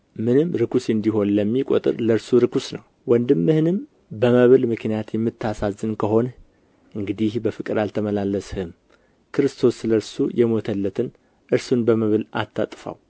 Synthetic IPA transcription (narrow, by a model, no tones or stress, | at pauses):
mɨnɨmɾɨkʰusɨnd̪iɦo̞nləmːikʼo̰t̪ʼɨ̰ɾləɾsuɾɨkʰusnəw | wɔnd̪ɨmːɨhɨnɨm | bəməβɨlmɨknijat̪jɛmːɨt̪ːasazːɨnkʰəɦo̞n | ʔɨŋɡɨd̪ihbəfɨkʼɨɾalt̪ʰəməlalːəshɨm | kʰɨɾɨst̪ʰo̞sɨləɾsujʔɛmo̞t̪ʰəlːət̪ʰɨn | ʔɨɾsunbəməβɨla̰t̪ʰːa̰t̪ʼfa̰w